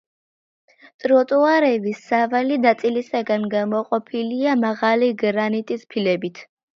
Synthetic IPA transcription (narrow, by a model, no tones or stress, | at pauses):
t̪ʼɾɔt̪ʼuaɾɛvisːavalinat̪sʼilisaɡanɡamɔqʼɔpʰiliamaʁaliɡɾanit̪ʼispʰilɛbit̪ʰ